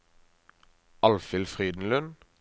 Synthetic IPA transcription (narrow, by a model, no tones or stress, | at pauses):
ɑlfɪlfʁiːd̪n̩lʉn